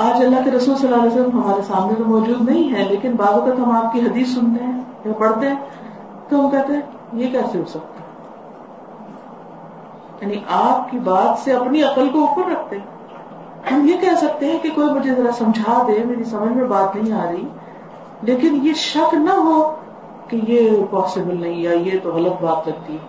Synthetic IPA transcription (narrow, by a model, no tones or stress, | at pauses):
aːd͡ʒɐlːaɦkeɾɐsuːlsɐlːaːlɛːsələmɦɐmaːɾesaːmnẽt̪omɔːd͡ʒuːd̪nɐɦĩɦɛleːkɪnbaːzok̪ɐt̪ɦɐ̃maːp̚kiɦɐd̪iːsːʊnt̪eɦɛ̃japɐɽt̪eɦɛ̃ | t̪oɦɐmkɛɦt̪eɦɛ̃ | jekɛːseɦosɐk̚t̪eɦɛ̃ | jaːniʔaːp̚kibaːt̪seɐpniɐqəlkoʊkəɾɾɐk̚ʰt̪eɦɛ̃ | hɐmjekɛɦsɐk̚t̪eɦɛ̃kekoːimʊd͡ʒʱezɐɾasɐ̃md͡ʒʱaːd̪emeːɾisɐməd͡ʒʱmẽbaːt̪nɐɦĩaːɾɐi | leːkɪnjeʃɐqnɐɦo | kejepɔːsɪbəlnɐɦĩaːiet̪oɣɐlət̪̚baːt̪lɐɡ̚t̪iɦɛː